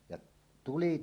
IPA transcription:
jɑʔ tuli

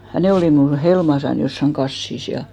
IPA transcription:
jɑ ne oliˑ mnul helmɑsɑn josːɑŋ ɡ̊ɑsːis jɑ

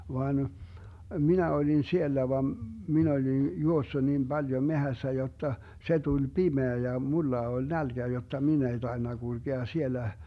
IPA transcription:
ʋɑːn minæ olin sielːæ ʋɑm min olin juosːu niːm b̥ɑljo mehæsːæ jotːɑ se tulʲ pimeæ jɑ mulːɑ olʲ nælɡ̊æ jotːɑ min ei tɑenːɑ ɡ̊ulɡ̊eɑ sielːæ

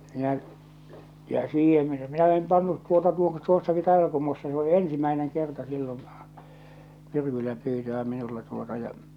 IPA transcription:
minæʔ jɑ siːhẽː minæ em pɑnːut tuotɑ tuo tuosːɑki tɑˑeʋɑl̞kumːusːɑ se o ensimæeneŋ kertɑ silːon̞ myrkylːæ pyːtøæ minulːɑ tuotɑ jɑ

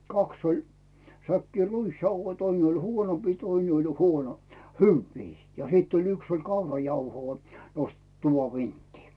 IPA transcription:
kɑks olʲ sækːiː ruisjɑuhoi toin olʲ huonompiː toine olʲ huono hyʋːiː jɑ hiˑt olʲ yks olʲ kɑurɑjɑuhoː nostet tuʋɑʋ ʋintːiː

